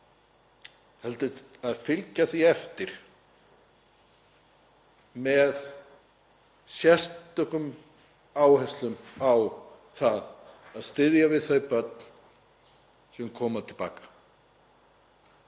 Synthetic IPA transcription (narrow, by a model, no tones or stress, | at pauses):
hɛlt̪ʏaðfɪlcaθiɛft̪ɪɾ̥ | mɛð | sjɛst̪œkʏm | aːwhɛst̪lʏmaw | θaðaðst̪ɪðjavɪðθœɥpœt̪n | sɛmkʰɔːmat̪ʰɪlpa̰ːkḁ